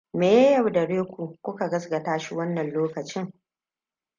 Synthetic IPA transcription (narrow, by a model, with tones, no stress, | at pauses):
meː˨jɐ˦jɐ˨wdɐ˨ɽeː˦kʷu˨kʷʊ˦ka˨ɡɐ˦sɡɐ˨taː˦ʃi˦wɐ˦nːɐ˨nloː˦kɐ˨t͡ʃɪ˦ŋ